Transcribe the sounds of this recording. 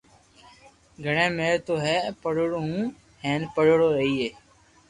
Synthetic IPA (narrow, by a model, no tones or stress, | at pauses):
ɡʱəɳẽːmeːɾt̪oːɦɛːpəɽoɽoːɦũː | heːnpəɽoɽoːeiːeː